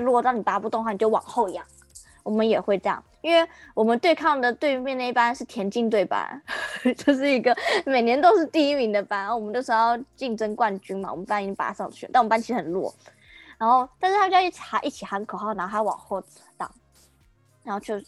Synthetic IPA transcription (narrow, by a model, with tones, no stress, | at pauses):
lwɔ˥˧t̪ɑ˥˩ni˨˩pa˧˥pu˥˧t̪ʊ˥˧ŋxwa˥˩ni˨˩t͡ɕo˥˩wɑ̰˨˩ŋxo˥˧ʊi˧jɑ˥˩ŋ | wɔ˨˩mə˦njɛ˨˩xwe˥˧ɪʈ͡ʂɤ˥˧jɑ̰˥˨˩ŋi˥nwe˥˩ɪwɔ˨˩mə˨˦nt̪we˥˧ɪkʰɑ˥˩ŋd̪ə˩t̪we˥˧ɪ˥mjnd̪ə˩˧i˥˩pa˥nʂɻ̩˥˩t̪ʰjɛ˧˥nt͡ɕi˥˧ŋt̪we˥˩ɪpa̰˦˥nt͡ɕo˥˧ʊʂ̬ɻ̩˥˩i˧˥ɡə˧˨me˨˩ɪnjɛ˧˥nt̪o˥ʊʂɻ̩˥˧t̪i˥˧i˥mi˧˥ŋd̪ə˨pa˥n˥˩wɔ˨˩mə˦no˥˩ʂ̩˧˥jɑ˥˧ʊt͡ɕi˥˩ŋʈ͡ʂə˥ŋkwa˥˩nt͡ɕy˥nma̰˨˩wɔ̰˨˩mə˦npa˥ni˥˧pa̰˧˥ʂɑ̰˥˧ŋt͡ɕʰy̰˥˩na˥˩wm˦˥a˥t͡ɕʰi˧˥ʂ̩˥˧˥xə˨˩nlwɔ̰˥˩ | ɻa˧˥nxo˥˧ʊt̪a˥˧ʂɻ̩ʰ˥˧a˥˧˥i˥˩t͡ɕʰxa˧˥ʔi˥˩t͡ɕʰi˨˩xa˧˥nkʰɤ˨˩xɑ˥˩na˧˥xo˥xa˧˥wɑ̰˨˩ŋxwɔ˥˩t͡sɹ̩˨˩t̪ɑ̰˥˩ŋ | ɻa˧˥xo˥˧ʊt͡ɕʰjo˥˧ʊ